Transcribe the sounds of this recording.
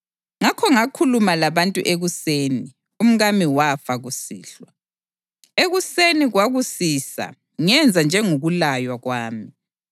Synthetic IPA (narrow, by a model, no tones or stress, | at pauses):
ŋakʰɔŋakʰulumalaβantʼṵʔeɣuseːni | um̩ɣamiwafaɣusḭːɬwa | eɣuseniɣwaɣusiːsa̰ | ŋɛnd͡zʱand͡ʒʱɛŋoɣulajwaɣwaːmi